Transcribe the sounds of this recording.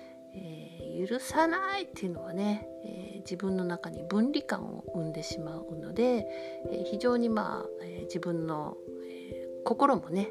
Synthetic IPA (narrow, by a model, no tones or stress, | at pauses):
eː | jɯ̟ɾɯ̟sanait̪ːeiɯ̟no̞β̞ane̞ | ḛd͡ʑibɯ̟̃nːo̞nakaɲ̟ibɯ̟̃nɾʲikã̰ɰ̃o̰ɯ̟̃nd̪e̞ɕimaɯ̟no̞d̪e̞ | eːçiʑo̞ːɲ̟ima̰ː | ed͡ʑibɯ̟̃nːo̞̰ | e | ko̞ko̞ɾo̞mo̞ne̞